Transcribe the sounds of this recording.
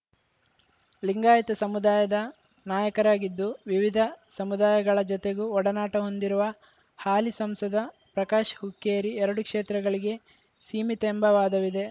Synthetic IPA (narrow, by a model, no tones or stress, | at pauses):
liŋɡaːjɐt̪ɐsɐmud̪aːjɐd̪ɐ | naːjɐkɐɾaːɡid̪ːuʋiʋid̪ʱɐsɐmud̪aːjɐɡɐɭɐd͡ʒɔt̪eɡuɔɽɐnaːʈɐɦo̞nd̪iɾuʋɐ | haːlisɐmsɐd̪ɐ | pɾɐkaːʃɦukːeːɾiɛɾɐɽukʂeːt̪ɾɐɡɐɭiɡe̞ | siːmit̪ːmbɐʋaːd̪ɐʋid̪e̞